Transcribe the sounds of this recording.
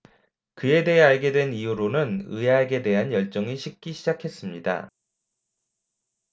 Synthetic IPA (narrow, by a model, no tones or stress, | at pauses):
kɯe̞de̞ɦeaɭɡe̞dwe̞nijuɾonɯnɯeaɭɡe̞de̞ɦanjʌɭt͡ɕ͈ʌŋiɕʰik̚k͈iɕʰid͡ʑakʰe̞s͈ɯmɲida̰